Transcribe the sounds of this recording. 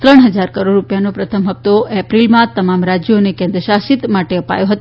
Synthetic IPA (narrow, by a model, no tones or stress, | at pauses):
t̪ɾəɳ̃ɦəd͡ʒaɾkəɾoɖɾupjanopɾət̪ʰəmɦəp̚t̪oɛpɾilmãt̪əmamɾad͡ʒjonekẽnd̪ɾəʃaʃit̪maʈeəpa̰joɦət̪o